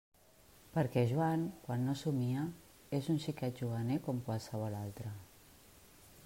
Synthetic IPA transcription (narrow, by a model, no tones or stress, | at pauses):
pəɾkɛʒuaŋkwanːosumiə | ezunʃikɛʒuβənekɔmkwalˠsəβ̞ɔlalˠt̪ɾə